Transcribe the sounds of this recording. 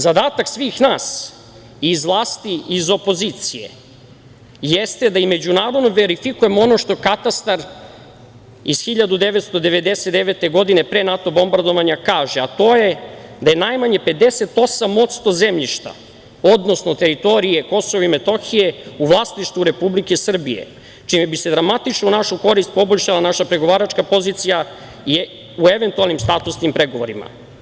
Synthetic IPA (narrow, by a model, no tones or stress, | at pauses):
zad̪aːt̪aksʋiːxnaːs | izʋlˠaːst̪iizo̞po̞zit̪sije̞̰ | jest̪e̞d̪aime̞d͡ʑunaːɾo̞d̪noʋeɾifikuje̞moono̞ʃt̪o̞kat̪ast̪aɾ | izxiʎad̪ud̪e̞ʋe̞t̪st̪o̞d̪e̞ʋe̞d̪eset̪d̪eʋet̪e̞ɡo̞d̪inepɾeːnat̪o̞bo̞mbaɾd̪oʋaɲakaːʒeat̪o̞ːje̞d̪ajenajmaɲe̞pe̞d̪eset̪o̞samo̞t̪st̪o̞zemʎiʃt̪a̰ | o̞d̪no̞snot̪e̞ɾit̪o̞ɾije̞ko̞soʋoimet̪o̞xijeuʋlˠaːsniʃt̪ʋuɾe̞publikesr̩bijḛ | t͡ʃimebised̪ɾamat̪it͡ʃnounaʃuko̞ɾist̪̚po̞boʎʲʃalanaʃapɾeɡo̞ʋaːɾat͡ʃkapo̞ziːt̪sija | ueʋe̞nt̪ualnimst̪aːt̪usnimpɾeɡoʋoɾima̰